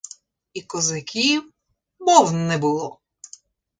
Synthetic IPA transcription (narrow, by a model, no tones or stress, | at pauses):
ikɔzɪkʲʰiw | bɔwnnɛbʊlˠɔ